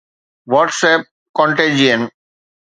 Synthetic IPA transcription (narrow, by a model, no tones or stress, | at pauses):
ʋɔːʈsɛp̚ | kɔ̃ɳʈẽd͡ʒiə̃n